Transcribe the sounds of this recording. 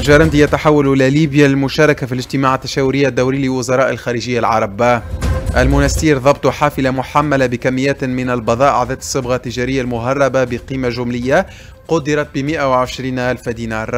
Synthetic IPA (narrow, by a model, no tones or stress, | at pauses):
lʒɑɾˤɑnd̪ijat̪aħawːallaliːbjalɪlmʊʃɑːɾˤɑkafilɪd͡ʒt̪ɪmaːʕat̪ːḁʃæːwʊɾɪjːaʔd̪ːawɾiːlɪlwʊzɑɾˤɑːʔalxæːɾɪʒɪjːalʕɑ̰ɾˤɑbaʔalmʊnæsiːɾðˤɑbt̪ˤuħaːfɪlamʊħamːalabɪkamːɪjːæːt̪mɪnalbɑðˤɑːʔʕad̪aːt̪ɪ̥sˤːɨbɣat̪ːɪʒaːɾɪjːalmʊɦɑrˤːɑbabɪqiːmaʒʊmlɪjːa | qʊd̪ːɪɾˤɑt̪̚bɪmɪʔawɪʕɪʃɾiːnʔalfad̪iːnɑːɾˤ